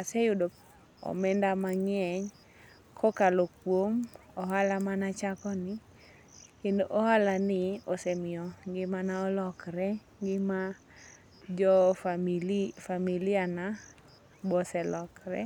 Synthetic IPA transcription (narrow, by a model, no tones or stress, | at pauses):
asɛjʊdo | ɔ̰mɛndamaŋɛɲ | kʰɔkalokwomɔɦalamanat͡ʃakɔnɪ | kendoʔɔhalanɪosɛmɪɔŋɡɪmanaɔlɔkɾɛ | ŋɡɪma | d͡ʒɔilfamiliana | bɔsɛlɔkɾɛ̰